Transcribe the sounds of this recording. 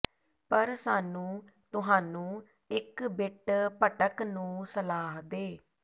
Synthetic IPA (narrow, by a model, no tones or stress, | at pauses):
pəɾsaːnũː | t̪ʊɦaːnũː | ɪkbɪʈpəʈəknũːsəlaːɦd̪eː